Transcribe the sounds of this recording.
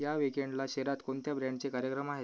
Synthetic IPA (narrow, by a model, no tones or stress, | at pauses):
jaʋikeɳɖlaɕeɾat̪koɳt̪jabɾaɳɖt͡sekaɾjəkɾəmaɦe